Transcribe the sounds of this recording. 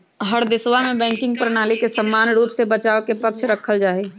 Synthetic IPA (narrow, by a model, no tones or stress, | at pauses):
ɦəɾd̪ɪswamẽbɛ̃ːŋkɪ̃ŋɡ̚pɾənaːlikesəmːaːnɾuːpsebət͡ʃaːokepəkt͡ʃʰɾəkʰəld͡ʒaːeː